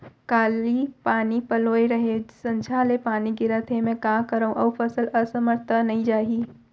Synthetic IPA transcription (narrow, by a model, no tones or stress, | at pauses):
kaːlipaːnipɐloːeɾɐɦesə̃nd͡ʒʰaːlepaːniɡɪɾət̪ɦemɛ̃ːkaːkəɾaːũʔɐʋpəsəlɐsəməɾt̪ʰənɐɦĩd͡ʒaːɦiː